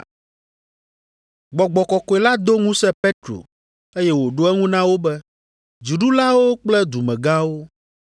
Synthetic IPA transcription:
ɡ͡bɔ˨ɡ͡bɔ˨kɔ˨kɔ˨e˨la˦d̪o˦ŋũ˦sɛ̃˦pe˦t̪ɾo̰˨ | e˦jɛ˦wo˨ɖo˦ɛ˦ŋũ˦nã˦wo˦bɛ˦ | d͡ʒi˨ɖu˦la˦wo˦k͡plɛ˦d̪u˨mɛ̃˨ɡã˦wo˦

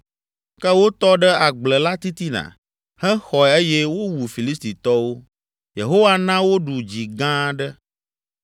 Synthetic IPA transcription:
kɛ˦wo˦t̪ɔ˦ɖɛ˦a˨ɡ͡blɛ˨la˦t̪i˦t̪i˦nã̰˨ | hɛ̃˦xɔ˨e˦jɛ˦wo˦wu˨fi˨li˦st̪i˨t̪ɔ˦wo˦ | je˨ɦo˦wa˦nã˦wo˦ɖu˨d͡ʑi˨ɡã˦ɖɛ˦

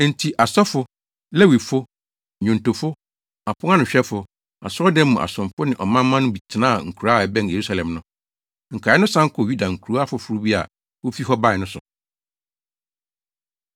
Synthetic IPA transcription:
n̩˨tʰi˨ʔa˨sɔ˦fʊ˦ | lɛ˦wi˨fʊ˦˨ | ɲõ˨nto˨fʊ˦ | a˨pʰʊ̃˦ŋ˦a˦nʊ̃˨ɕᶣɛ˦fʊ˨ | a̰˨sɔ˦dɛ˦mʊ̃˨ʔa̰˨sʊ̃˨mfʊ˦nɪ̃˨ʔɔ˨mã˦mː˦ã˦nʊ̃˦bi˨tʰɪ˨nãː˦˨ŋ̩˨kʰu˨ɾa˦˨ɛ˨bɛ̃˦n˨je˨ɾu˦sa˨lɛ̃˨mnʊ̃˦ | ŋ̩˨kʰa˨˦ɛ˦nʊ̃˦sã˦ŋ̩˦kʰʊ˨ju˦da˨ŋ̩˨kʰu˨ɾu˦a˦fʊ˨fu˨ɾu˦bi˦a̰˨ | wo˦fi˦ɦɔ˦ba˦ɪ˨nʊ̃˦sʊ˨

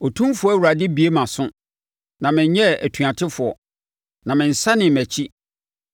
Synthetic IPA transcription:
o˨tʰũ˦mfʊ˦ɔ˦æ˦˨wu˨ɾa˨dɪ˦bi˨e˦mã˨sʊ̃˦ | nã˨mɪ̃˨ɲɲɛ˦æ̰˨tʰu˨a˨tʰɪ˦fʊ˨ɔ̰˨ | nã˨mɪ̃˨n̩˨sa˦nɪ̃˨mæ˨t͡ɕʰi˦

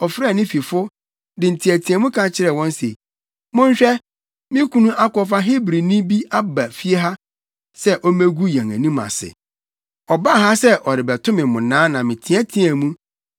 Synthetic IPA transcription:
ɔ˨fɪ˦ɾa˦˨nɪ̃˦fi˨fʊ˦ | dɪ˨n̩˨tʰĩ˨æ˨tʰĩ˨æ˨mũ˦kʰã˨t͡ɕʰɪ˦ɾɛ˨wɔ̃˦n˦sḛ˨ | mʊ̃˦ɕᶣɛ˦ | mɪ̃˦kʰũ˦nũ˦ʔa˦kɔ˨fa˦ɦɪ˦bɾi˨nĩ˦bi˦ʔa˦ba˨fi˦e˦ɦa˦ | sɛ˦ʔɔ˦mæ̃˦ɡu˦jæ̃˨ŋæ̰̃˨nĩ˦mã̰˨sɪ̰˨ | ɔ˨ba˦˨ɦa˦sɛ˦ʔɔ˨ɾɪ˨bɛ˨tʰʊ̃˦mɪ̃˨mʊ̃˨nãː˨˦nã˨mɪ̃˨tʰĩ˨˦æ˦tʰĩ˦æ̃˨mũ˦

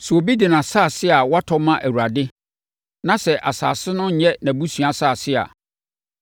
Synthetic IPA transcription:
su˨o˨bi˦dɪ˨nã˨saː˦˨sɪ˦a˨wɔ˦a˦tʰɔ˦mã˦ʔæ˨wu˨ɾa˨dɪ˦ | nã˦sɛ˨ʔa˨sa̰ː˨sɪ˦nʊ̃˦ɲ̩˨ɲɛ˦nã˨bu˦sɥa˨saː˦˨sɪ˦a̰˨

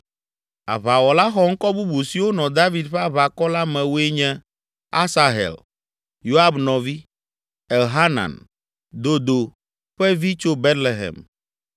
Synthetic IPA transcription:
a̰˨βa˨wɔ˨la˦xɔ˦ŋ̩˦kɔ˦bu˦bu˨si˨wo˦nɔ̃˨d̪a˦vi˨d̪ɸe˦a˦βa˨kɔ˦la˦mɛ̃˨wo˦e˦ɲɛ̃˦ | a˦sa˨ɦɛ̰˨l | jo˦a˦bnɔ̃˨vi˦ | ɛ˨lɦa˦na̰˨n | d̪o˨d̪o˨ | ɸɛ˦vi˦t͡ʃo˦be˦t̪le˨ɦɛ̰˨m

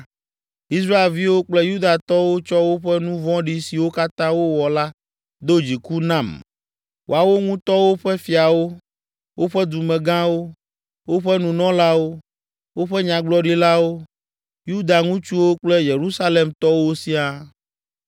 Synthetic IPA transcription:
i˦s̬ɾa˦e˨lvi˦wo˦k͡plɛ˦ju˦d̪a˨t̪ɔ˦wo˦t͡ʃɔ˦wo˦ɸɛ˦nũ˦vɔ̃˦ɖi˦si˨wo˦ka˦t̪ã˦wo˦wɔ˨la˦ | d̪o˦d͡ʑi˨ku˦nã˦˨m | wʔo˨a˨wo˦ŋũ˦t̪ɔ˦wo˦ɸɛ˦fi˨a˨wo˦ | wʔo˦ɸɛ˦d̪u˨mɛ̃˨ɡã˦wo˦ | wo˦ɸɛ˦nũ˨nɔ̃˦la˦wo˦ | wo˦ɸɛ˦ɲã˨ɡ͡blɔ˦ɖi˦la˦wo˦ | ju˦d̪a˨ŋũ˦t͡ʃu˦wo˦k͡plɛ˦je˨ɾu˦sa˦le˨mt̪ɔ˦wo˦si˦a˦

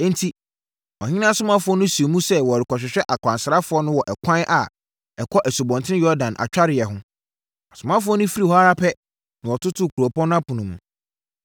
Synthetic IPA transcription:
ɛ̃˦ntʰi˦ | ɔ̰̃˨ɲɪ̃˦nã˦˨sʊ˦mã˦fʊ˦ɔ˦nʊ̃˦su˨o˨mũ˦sɛ˦wɔ˨ɾɪ˨kɔ˨ɕᶣɪ˨ɕᶣɛ˦ʔa˨kʰʷã˨nsɾa˦fʊ˨˦ɔ˦nʊ̃˦wɔ˨ʔɛ˨kʷʰã˦n˦ʔa˨ | ɛ˨kʰɔ˦ʔæ˨su˨bɔ̃˨ntʰɪ̃˦jɔ˦ɾdã˨nʔa̰˨t͡ɕᶣa˦ɾɪ˨ɛ˨ɦʊ̃˦ | a˨sʊ˨mã˦fʊ˦ɔ˦nʊ̃˦fi˦ɾi˨hɔ˦a˦ɾa˦pʰɛ˦ | nã˨wɔ˨tʰʊ˦tʰʊ˦˨kʰu˨ɾɔ˨pʰɔ̃˦n˦ã˦pʰʊ̃˨nʊ̃˨mũ˨

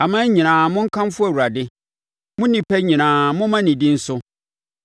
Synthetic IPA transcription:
a˨mã˦ɲĩ˨nãː˨mʊ̃˦ŋ̩˦kʰã˦m˦fʊ˦æ˨wu˨ɾa˨dɪ˦ | mʊ̃˦nĩ˨pʰɛ˦ɲĩ˨nãː˨mʊ̃˦mã˦nĩ˨dĩ˦n̩˦sʊ˦

